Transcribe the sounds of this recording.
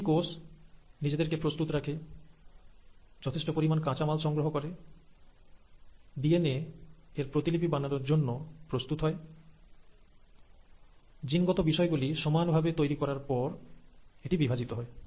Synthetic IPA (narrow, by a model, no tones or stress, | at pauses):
kosnid͡ʑed̪eɾkepɾost̪ut̪ɾakʰe | d͡ʑɔt̪ʰeʃʈopoɾimankãt͡ɕamalʃɔŋɡɾoɦokɔɾe | ɖieneeɾpɾot̪ilipibanaɾoɾd͡ʑonːopɾost̪ut̪ɦɔe | d͡ʑinɡɔt̪obiʃɔeɡuliʃɔmanbʱabet̪ojɾikɔɾaɾpɔɾeʈibibʱad͡ʑit̪oɦɔe